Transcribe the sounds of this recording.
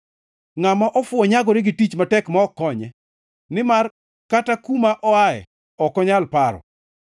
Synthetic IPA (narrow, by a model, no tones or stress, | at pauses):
ŋamaʔɔfʊɔɲaɡɔɾɪɡɪtit͡ʃmatɛkmaɔkɔɲɛ | nɪmar | katakumaʔɔaɛ̰ | ɔkɔɲalpaɾɔ̰